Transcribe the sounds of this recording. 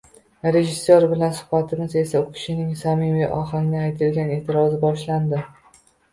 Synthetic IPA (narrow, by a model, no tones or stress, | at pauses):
ɾe̞ʒɪsːoɾbɪlansʊ̥hbat̪ʰɪmɪze̞saʊkʲʰɪ̥ʃɪnɪŋsamɪveʔɒɦaŋnɪajt̪ʰɪlɡʲanet̪ʰɪɾɒzɪbɒʃland̪ɪ